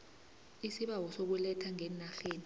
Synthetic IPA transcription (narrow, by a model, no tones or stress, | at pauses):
isiɓawɔsok̬ulɛtʰaŋɛnaɬeːni